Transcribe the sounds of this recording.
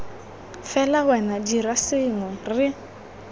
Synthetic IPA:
fɛlawɛnadirasɪŋʊrɪ

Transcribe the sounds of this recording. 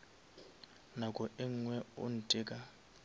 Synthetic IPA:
nakʼɔʔɪŋ̩ŋwɛo̰n̩tʼɪːkʼa

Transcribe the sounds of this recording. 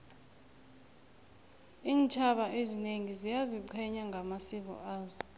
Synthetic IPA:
iːnt͡ʃʰaɓaʔezineŋizijaziǀʰɛɲaŋɡʱamasiɓ̬ɔ̰ʔaːzɔ

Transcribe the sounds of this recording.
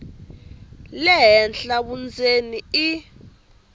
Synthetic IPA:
lɛɦɛnɬaɓund͡zʱenii

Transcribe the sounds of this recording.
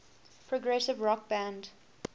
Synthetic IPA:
pʰɹɔɡɹɛsɪvɹɔk̚b̥æ̃nd

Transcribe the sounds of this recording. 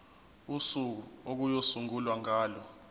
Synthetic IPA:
usuk̬uok̬ujosuŋulwaŋʱaːlɔ

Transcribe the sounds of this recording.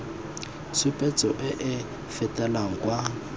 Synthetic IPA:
t͡sʰʊpʼɛt͡sʼɔʔɪʔɪ | fɛtʼalaŋ̩kʼwa

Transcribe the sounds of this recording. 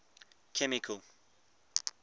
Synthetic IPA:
kʰɛmikʰəlˠ

